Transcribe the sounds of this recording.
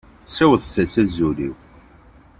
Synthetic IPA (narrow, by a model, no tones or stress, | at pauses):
sæwəðˤθæsæzuliw